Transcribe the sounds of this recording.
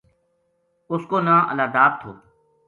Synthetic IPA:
ʊskoːnãːʔə̰laːd̪aːt̚t̪ʰo̰ː

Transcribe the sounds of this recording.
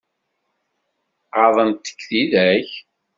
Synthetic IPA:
ʁɑðˤənt̪ːə̥kːθiðæç

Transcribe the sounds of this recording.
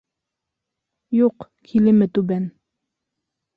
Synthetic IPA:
juq | kʲʰilɪmɪt̪ubɛn

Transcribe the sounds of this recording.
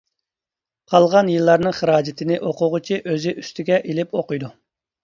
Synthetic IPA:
qʰɑlˠʁɑnjɨlˠːɑɾnɨŋχəɾɑːd͡ʒɪt̪ʰɪnɪʔoqʊʁʊt͡ʃʰiʔøzɪʔyst̪ʰɪɡʲɛʔelɪpoqʊjd̪u

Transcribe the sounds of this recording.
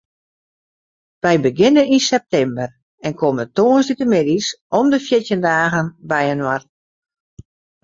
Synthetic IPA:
ʋɛjbəɡɪnəninsɛp̚tɛmbər | ɛnkʰoməntoːənsditəmɪdisɔmdəfjɪtjəndaːɣənbɛjənwart

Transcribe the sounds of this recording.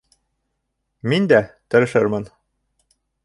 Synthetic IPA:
mind̪æt̪ɘ̆ɾɘ̆ʃɘɾmɘn

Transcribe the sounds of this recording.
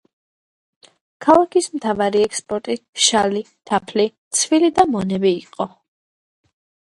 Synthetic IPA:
kʰalˠakʰismt̪ʰavaɾiɛkspʼɔɾt̪ʼiʃali | t̪ʰapʰlit̪sʰvilid̪amɔnɛbiːqʼɔ

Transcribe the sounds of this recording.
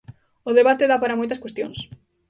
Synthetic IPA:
ʊðeβat̪eðapaɾɐmojt̪ɐskwest̪jõ̰ŋs

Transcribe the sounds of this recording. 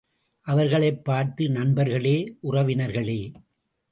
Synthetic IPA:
ʔɐʋɐɾɣɐɭɐɪpːaːɾt̪ɯnɐnbɐɾɣɐɭeːʔʊrɐʋɪnɐɾɣɐɭeː

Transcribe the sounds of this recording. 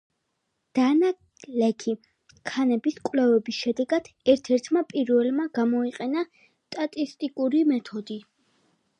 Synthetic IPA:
d̪̥ana | lɛkʰi | kʰanɛbiskʼwlɛvɛbisʃɛd̪ɛɡad̪̥ɛɾt̪ʰɛɾt̪ʰmapʼiɾvɛlmaɡ̥amɔiqʼɛna | st̪ʼat̪ʼist̪ʼikʼuɾimɛt̪ʰɔd̪i

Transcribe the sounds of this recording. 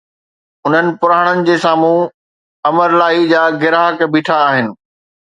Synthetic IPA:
ʊn̤ənɪ̆pʊɾaːɽ̃ənɪ̆d͡ʑeːsaːmũ | ɐməɾlaːid͡ʑaːɡɪɾaːɦəkbʱiːʈʰaːɦɪnɪ̆

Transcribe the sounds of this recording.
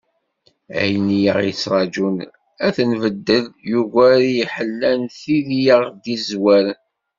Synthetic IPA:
æ̰jnijə̰ʁit͡sːɾˤɑd͡ʒun | æθənvəd̪ːəljuɣæɾjiħəlːænθiðijəʁd̪izwæɾ

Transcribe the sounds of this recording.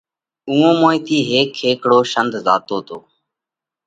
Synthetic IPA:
ũːõːmoːĩːt̪ʰiːɦeːkʰːeːkɽoːʃənd̪ʱza̰ːt̪oːt̪ʰoː

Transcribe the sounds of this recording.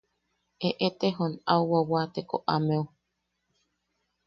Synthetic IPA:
ʔeʔet̪eɦonawwawat̪eko̰ʔameu

